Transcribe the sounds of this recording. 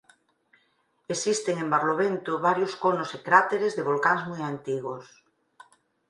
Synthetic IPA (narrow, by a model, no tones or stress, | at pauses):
esist̪eŋembaɾloβent̪oβaɾjoskonosekɾat̪eɾezðeβ̞olkaŋzmujant̪iɣos